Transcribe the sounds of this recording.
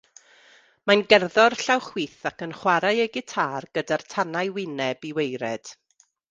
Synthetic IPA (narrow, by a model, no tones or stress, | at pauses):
manɡɛrðɔrɬawχwiːθakənχwaɾajəɡɪtʰaːrɡ̥ədartʰanajwɪnɛbiwejɾɛd̥